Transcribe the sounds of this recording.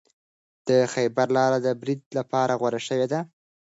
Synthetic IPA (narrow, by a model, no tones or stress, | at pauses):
d̪̥əxajbaɾlɑɾad̪əbɾid̪̚lapɑɾaɣwaɾaʃəwed̪a